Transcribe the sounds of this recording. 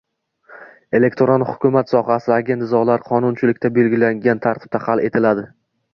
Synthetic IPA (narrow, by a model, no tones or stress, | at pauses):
e̞le̞kʲt̪ʰoɾonhʊ̥kʲʰʊmat̪sɒχasɪaɡʲe̞nt̪zɒlaɾqʰɒnʊnt͡ʃʰɪlɪkʲt̪ʰabe̞lɡʲɪlaŋɡʲant̪ʰaɾt̪ʰɪ̥b̚t̪ʰahale̞t̪ʰɪlad̪ɪ